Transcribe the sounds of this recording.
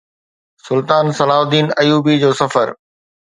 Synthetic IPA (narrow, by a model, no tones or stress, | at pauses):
sʊlt̪aːnsɐlaːɦʊd̪iːnɐjuːbid͡ʑoːsɐfə̰ɾ